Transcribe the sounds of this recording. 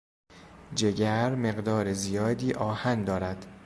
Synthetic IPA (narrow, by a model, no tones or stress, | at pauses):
d͡ʒe̞ɟæɾme̞ɢd̪ɒːɾezijɒːd̪iːʔɒːhænd̪ɒːɾæd̪̥